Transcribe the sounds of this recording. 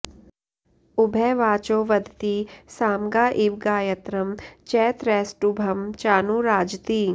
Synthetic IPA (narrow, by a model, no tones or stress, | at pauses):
ʊbʱɛʋaːt͡ʃoːʋɐd̪ʱt̪isaːmɡaːʔiʋɡaːjɐt̪ɾɐmt͡ʃɛːt̪ɾɛːsʈubʱɐmt͡ʃaːnuɾaːd͡ʒt̪iː